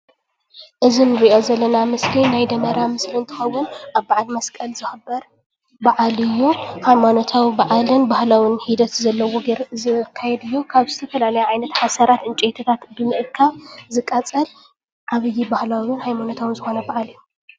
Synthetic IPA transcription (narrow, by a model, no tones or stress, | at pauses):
ʔɨzinɨɾiʔo̞zɐlːɐnamɨslinajd̪ɐmɐɾamɨslint̪ʰɨ̥xɐwːʊnʔaβbaʕalmɐskʼɐlzɨxɨbɐɾ | baʕalɨjːuhajmanot̪ʰawibaʕalɨnbahlawɪnhid̪ɐt̪zɐlːɐwoɡɐɾzɨkʰːajɛd̪ɨjːukʰaβzɨt̪ʰɐfɐlalɐjuʕajnɐt̪ħasɐɾat̪ɨnt͡ʃʼet̪ʰɐt̪ʰat̪bɨmɨʔɨkʰːaβzɨkʼːɐt͡sʼɐl | ʕaβɨjːibahlawɪnhajmanot̪ʰawɨnzɨxo̞nɐbaʕalɨjːu